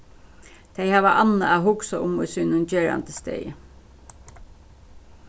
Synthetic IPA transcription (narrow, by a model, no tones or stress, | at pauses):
t̪ʰejhaːʋəʔanːaahʊksaʊmʊsʏnʊnt͡ɕeːɹa̰nt̪əst̪ḛːjə̰